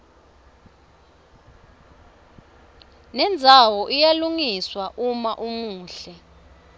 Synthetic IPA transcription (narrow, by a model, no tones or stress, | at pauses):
nɛnd͡zʱawɔʔijaluŋiswaʔumaʔumuːɬɛ